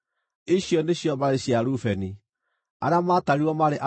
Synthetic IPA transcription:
iɕjɔneɕjɔmaɾeɕjaɾufɛni | aɾamataɾiwɔmaɾeʔa

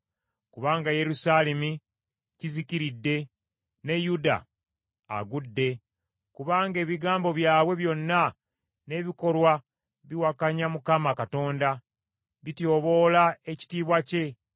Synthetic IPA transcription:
kuβaːŋɡaje̞ɾusale̞mi | ciziciɾidːe̞ | ne̞juda̰ː | ɡudːe̞ | kuβaːŋɡe̞ːβiɡaːmbo̞βjaːβwe̞βjo̞nːa | ne̞βiko̞lwa | βiwakaɲamukamakato̞ːnda | βitjo̞ːβo̞lae̞ci̥tiːβwace̞

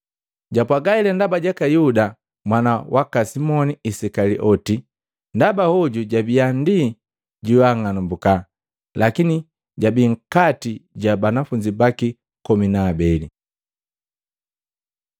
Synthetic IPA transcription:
ɟapwaɡailɛndabaɟakajuda | mwanawakasimɔniisɛkaliʔɔti | ndabahɔɟuɟabiandi | ɟiwaŋanumbuka | lakini | ɟabiŋ̩katiɟabanafuɲd͡ʒibaki | kɔminaːbɛli

